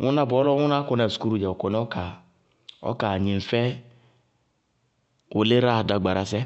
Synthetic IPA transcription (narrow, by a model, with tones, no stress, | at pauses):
ŋu˦na˦bɔ˦lɔ˦ŋʊ˦na˦kɔ˨nɛ˨sku˦ɾu˦˨d͡ʒɛ˨o˨kɔ˨nɛ˦ɔ˦ka˨ | ɔ̰˦ka˨ɲi˨n̩˨fɛ˦ | ʊ˨le˦ɾa˦˨da˨ɡ͡ba˨ɾa˦s̬ɛ˦